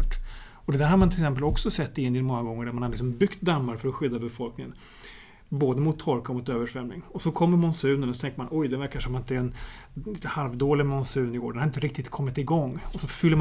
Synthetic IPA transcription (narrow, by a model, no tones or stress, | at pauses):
ʈː | ɔd̪ɛd̪æɾhaɾmanʰɪlɛksɛmp̬əlɔksɔsɛt̪ːɪɪnd̪ɪnmɔŋːaɡɔŋːəɖæɾmanhad̪lɪksɔmbʏkt̪̚d̪amːaɾfœɾɔɧʏd̪ːabɛfɔlknɪŋə̰n | boːd̪əmʊt̪ʰːɔɾkaɔmʊt̪øːvəʂvɛmnɪŋɔsɔkʰɔmːəɾmɔnsʉ̟ːnənɔsɔt̪ʰɛŋkəmanɔjd̪ɛvæɾkaʂɔmːɪnt̪əɛɛn | ɪhalvd̪oːlɪɡmɔnsʉ̟ːnɪɡo̰ːɾɖɛnhaɾɪnt̪əɾɪk̚t̪ɪt̪kʰɔmːɪt̪ɪɡɔŋːɔsɔfʏlːə